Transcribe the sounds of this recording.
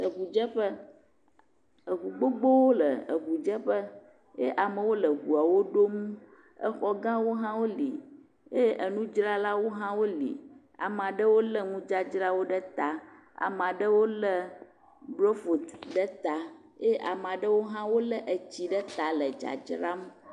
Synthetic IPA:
ə˨ɡu˨d͡ʒə˦ɸə˦ | ə˨ɡu˨ɡ͡bo˦ɡ͡bo˦wo˦lə˨ə˨ɡu˨d͡ʒə˦ɸə˦ | je˦ʔa˨mə˨wo˦lə˨ɡu˨a˨wo˦ɖo˦mu˦ | ə̰˦xɔ˦ɡã˦wo˦ɦã˦wo˦li˨ | je˦ʔə˨nũ˦d͡ʒɾa˦la˦wo˦ɦã˦wo˦lḭ˨ | a̰˨m˨a˨ɖə˦wo˦lə˦ŋũ˦d͡ʒa˦d͡ʒɾa˦wo˦ɖə˦t̪a˨ | a̰˨m˨a˨ɖə˦wo˦lə˦ | blo˦fo˨t̪ɖə˦t̪a˨ | je˦ʔa˨m˨a˨ɖə˦wo˦ɦã˦wo˦lə˦ʔə˨t͡ɕi˨ɖə˦t̪a˨lə˨d͡ʒa̰˨d͡ʒɾa˦m˦

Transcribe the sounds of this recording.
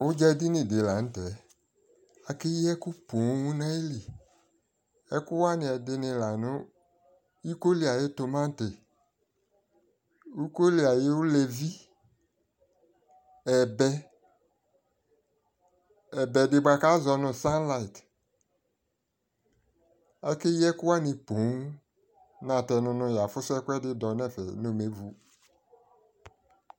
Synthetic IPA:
ʊ˦d͡ʒɛ˦di˦nɪ̃˨dɪ˨la˨n̩˦tɛ˨ | a˨kɪ˦jɛ˦kʊ˦po˨˦wũ˦nã˦e˦li˨ | ɛ˦kʊ˦wa˦nɪ̃˨ɛ˨dɪ˨nɪ̃˨la˨nʊ̃˦ | i˦ko˦li˨a˨jɪ˦tʊ˨mã˦n̩˦tɪ˨ | u˦ko˦li˨a˨jɪ˦wʊ˦lɛ˨vi˦ | ɛ˨bɛ˦ | ɛ˨bɛ˨dɪ˨ba˨ka˦zɔ˨nʊ̃˨sã˦nla˨i˨t | ɛ˦kɪ˦jɛ˦kʊ˦wa˦nɪ̃˨põ˨˦ | nã˨tɛ˨nʊ̃˨nʊ̃˨ja˨fʊ˦sʊ˦ɛ˦kʷɛ˦dɪ˦dɔ˨nɛ˦˨fɛ̰˨no˨me˨˦vu˨

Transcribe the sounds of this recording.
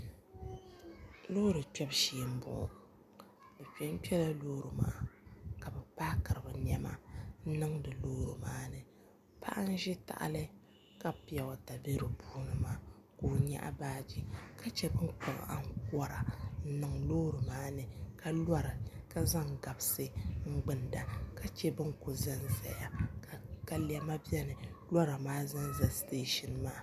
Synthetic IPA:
loː˦ɾɨ˨tɛ˦bʃeː˨m̩˦bʊ̰˨ | bɛ˨pɛ˦m˦pi˦ɛ˦la˦loː˦ɾɨ˨ma̰ː˦ka˨bɛ˨paː˦kɨ˨ɾɨ˨bɨ˨ɲɛ˦ma̰˦n̩˦nɨ˦ŋdɨ˨loː˦ɾɨ̰˨maː˦nɨ˨ | pa̰˦ʔa˦n˦ʒɪ˦ta̰˨ʔa̰˦lɨ˦ | ka˦pi˨ɛ˨wa˨ta˨be˦ɾɨ˨bʰuː˦nɨ˦maː˦koː˨ɲa̰˦ʔa̰˦baː˦d͡ʒi˦ka˦t͡ʃɛ˦bɨ˦ŋko˨ŋ̰˨a̰˦ŋkɔ˦ɾa˨n̩˦nɨ˨ŋloː˦ɾɨ˨maː˦nɨ˨ka˦lwa˦ɾɨ˨ka˦za˦ŋɡa˨bsɨ˦ŋ͡m̩˦ɡ͡bɨ˨nda˨ka˦t͡ʃɛ˦bɨ˦ŋkʊ˨za˦nza̰˨ja˨ | ka˦li˦ɛ˦ma˦bɛ˦nɨ˨la˦ɾa˨maː˦za˦nza˨steː˦ʃɪ˨nmaː˦

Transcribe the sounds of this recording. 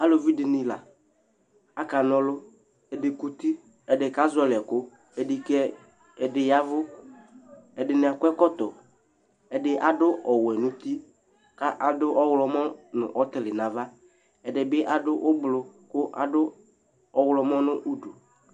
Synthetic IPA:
a˦lo˨vi˦dɪ˨nɪ̃˨la̰˨ | a˦ka˨nɔ˦lʊ˦ | ɛ˨dɪ˨ku˦t̪i˦ | ɛ˨dɪ˨ka˦zɔ˦lɛ˨kʊ˦ | ɛ˨di˨kɛ˦ | ɛ˨dɪ˨ja˦vʊ˦ | ɛ˨dɪ˨nɪ˨a˨kʷɛ˦kɔ˦t̪ɔ˨ | ɛ˨dɪ˨ʔa˨dʊ˦ʔɔ˨wɛ˨nʊ̃˨t̪i˦ | ka˦ʔa˨dʊ˦ʔɔ˦wlɔ˦mɔ˦nʊ̰̃˨ʔɔ˦t̪ɪ˨lɪ˨nã˨va˦ | ɛ˨dɪ˨bɪ˦ʔa˦dʊ˦ʔʊ˦blʊ˨kʊ˦ʔa̰˦dʊ˦ | ɔ˦wlɔ˦mɔ˦nʊ˦ʔu˦du˨

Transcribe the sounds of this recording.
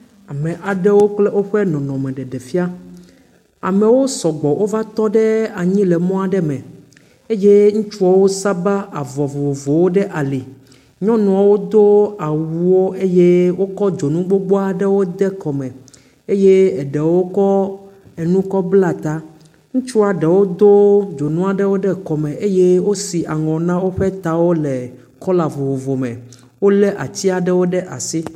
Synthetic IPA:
a˨mɛ̃˨ʔa˨ɖɛ˦wo˦k͡ple˦wo˦ɸɛ˦nɔ̃˨nɔ̃˨mɛ̃˨ɖɛ˨ɖɛ˨fi˦a˦ | a˨mɛ̃˨wo˦sɔ˨ɡ͡bɔ˨wʔo˦va˦t̪ɔ˦ɖɛ˦a˨ɲĩ˦lɛ˨mɔ̃˦a˨ɖɛ˦mɛ̃˨ | e˦je˦ŋũ˦t͡ʃu˦ɔ˨wo˦sa˦ba˦ʔa˨vɔ˨vo˨vo˨wo˦ɖɛ˦ʔa˨li˨ | ɲɔ̃˦nɔ̃˨a˨wo˦d̪o˦a˨wu˨wo˦e˦je˦wo˦kɔ˦d͡ʒo˨nũ˦ɡ͡bo˦ɡ͡bo˦a˨ɖɛ˦wo˦d̪ɛ˦kɔ˨mɛ̃˨ | e˦je˦ɛ˨ɖɛ˨wo˦kɔ˦ɛ˨nũ˦kɔ˦bla˦t̪a˦ | ŋũ˦t͡ʃu˦a˨ɖɛ˨wo˦d̪o˦d͡ʒo˨nũ˦a˨ɖɛ˦wo˦ɖɛ˦kɔ˨mɛ̃˨ʔe˦je˦wo˦si˨ʔa˨ŋɔ̃˨nã˦wo˦ɸɛ˦t̪a˨wo˦lɛ˨ | kɔ˦la˨vo˨wo˨vo˨mɛ̰̃˨ | wo˦lɛ˦ʔa̰˨t͡ɕ̪i˦a˨ɖɛ˦wo˦ɖɛ˦ʔa˨si˦

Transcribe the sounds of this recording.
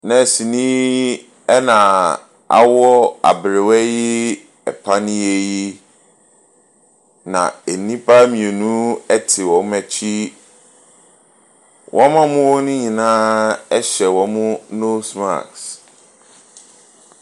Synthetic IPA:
nã˨si˨nĩ˦ | ɛ˦nã˨ | a̰˨wɔ˦a̰˨bɾɪ˨wɛ˦jɪ˦ | ɛ˨pʰa˦nĩ˦e˦ji˦ | nã̰˨e˨nĩ˦pʰa˦mĩ˨e˨nũ˦ɛ˦tʰɪ˨wɔ̃˨˦mæ˨t͡ɕʰi˦ | wʔɔ̃˦mã˦mʊ̃˦wɔ˦nʊ̃˦ɲĩ˨nãː˦ɛ˦ɕɛ˨wɔ̃˨mʊ̃˦no˦sma̰˨ks

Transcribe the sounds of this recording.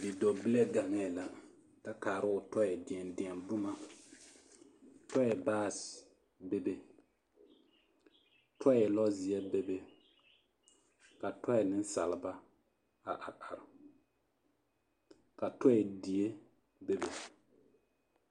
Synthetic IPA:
dɪ˨do˨bɪ˦le˦ɡa˨ŋɛ˦˨la˦ | ka˦kaː˨ɾɪ˦ʊ˨tɔ˦ɛ˨dɪ˨ɛ˨ndɪ˨ɛ˨nbʊ˦ma˦ | tɔ˦ɛ˨baː˦˨s | be˦be˦ | tʰɔ˦ɛ˨lɔ˦zɪ˨ɛ˦be˦be˦ | ka˨tʰɔ˦ɛ˨nɪ˦n˦sa˨lɪ˦ba˦ | a˨ʔa˨ʔa˨ɾɪ˨ | ka˨tɔ˦ɛ˨di˨e˦ | be˦be˨

